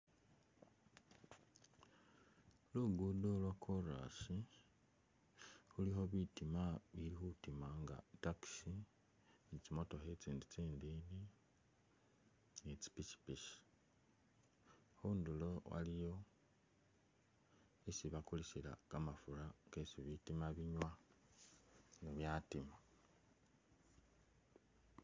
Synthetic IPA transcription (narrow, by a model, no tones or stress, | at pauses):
luɡudolwakʰoɾa̰si | xulixo̞βitimaβilixutimaŋɡa̰taki̥si | nit͡simo̞to̞xet͡siːndit͡siːndiːni | nit͡si̥pit͡ʃi̥piʃi̥ | xuːndulo̞wa̰lijo̞ | esiβakulisila̰kamafuɾakesiβitimaβiɲwa | niβjatima